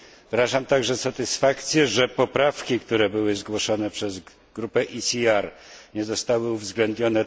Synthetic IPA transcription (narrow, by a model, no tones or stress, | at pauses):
vɾaʐamt̪aɡʐɛsat̪ɘsfakt̪sʲjɛʐɛpɔpɾafkʲikt̪uɾɛbɘwɘzɡwɔʂɔnɛpʂɛz | ɡɾupɛʔisʲiaɾɲɛzɔst̪awɘuvzɡlɛnd̪ɲɔnɛ